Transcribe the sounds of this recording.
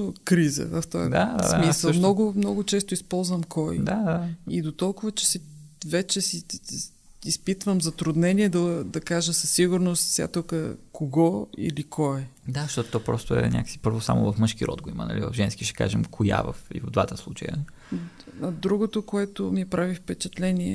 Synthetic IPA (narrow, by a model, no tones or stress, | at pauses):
t̪okɾizə̰vɐft̪ɔ̰jə̰d̪asmisəmnɔɡʊmnɔɡʊt͡ʃɛst̪ʊispɔlˠzvəmkʰɔjd̪ad̪aid̪ot̪ɔlˠkʊvət͡ʃɛ̥si | vɛt͡ʃɛsi | ispit̪vəmzɐt̪ɾʊd̪nɛniɛd̪ɐd̪ɐkaʒəsɐsːiɡʊɾnost̪sja̰t̪okəkoɡɔḭlikʰɔɛd̪aʃt̪ɔt̪t̪ɔpɾɔst̪ʊɛ̰nʲʔa̰kə̥si̥pɤɾvosa̰mo̰vɐfmɤʃk̟iɾɔ̰d̪̚ɡoimə̰nɐ̰livə̰vʒɛnskiʃɛ̥ka̰ʒɛmkʰoja̰və̰fḭvvd̪vat̪əslˠut͡ʃə̰jə̰ | ɐd̪ɾuɡot̪okoɛt̪omiɛpɾavifpɛt͡ʃɛt̪lɛniɛ̰